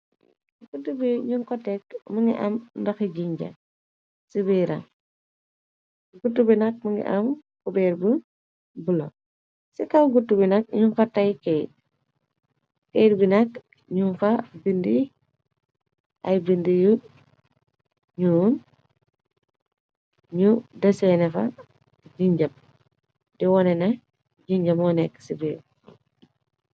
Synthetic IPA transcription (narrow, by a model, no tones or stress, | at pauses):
ɡ̥ɡutːubiɲuŋkɔtːɛk̚məŋɡiʔɐmndɐxiɟiɲɟɐ̰ | sibiɾɐ̰ | ɡɡutːubinɐk̚məŋɡḭʔɐmkubɛɾbu | bulo̰ | sikɐwɡutːubinɐk̚ɲuŋkɔtːɐjkɛj | kɛjdbinɐk̚ | ɲunfɐbindi | ʔɐjbindiju | ɲuːn | ɲudɐsɛnɛfɐ̰ | d͡ʒiɲɟɐp̚ | dɛwɔnɛnɐ | d͡ʒiɲɟɐmɔnɛkːsibi